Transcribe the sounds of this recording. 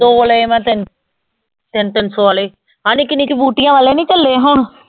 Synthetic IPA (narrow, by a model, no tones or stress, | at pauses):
d̪oːʋoleemɛ̃ːt̪ɪn | t̪ɪnt̪ɪnsoːʋaːleː | ãːniːkɪniːkibuːʈɪjãːʋaːleːnĩːt͡ʃəlːeːɦʊɳ